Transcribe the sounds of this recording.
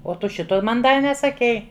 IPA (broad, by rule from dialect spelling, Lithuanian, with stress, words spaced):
oː ˈtʊ ˈʃʲɪtoː ˈmɐn ˈdɐr nʲɛsɐˈkʲɛɪ